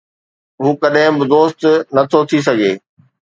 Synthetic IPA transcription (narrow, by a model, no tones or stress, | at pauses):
ɦuːkɐɗɦɪ̃bɪd̪oːst̪nɐt̪ʰot̪ʰis̬ɐɡeː